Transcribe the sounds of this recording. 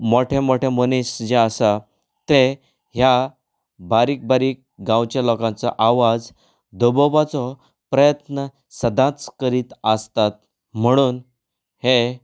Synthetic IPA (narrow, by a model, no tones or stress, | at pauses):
moʈʰemoʈʰemonisd͡ʑeəsa | t̪e | ɦja | baɾiːk̚baɾiːk̚ɡãwt͡ɕalɔkãnt͡saʔaʋad͡z | d̪obɔʋat͡sɔ | pɾəjət̪nə | səd̪ʱãt͡skəɾiːt̪əst̪at̪̚ | m̤əɽ̃uːn | he